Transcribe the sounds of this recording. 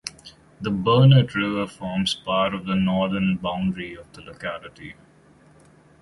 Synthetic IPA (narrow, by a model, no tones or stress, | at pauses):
d̪əbəːnəʈɾɪʋəfɔːmz̥paːʈɔʋd̪ənɔːd̪ənbãʊ̃ɳɖɾiɔʋd̪əlokæɾɪʈḭ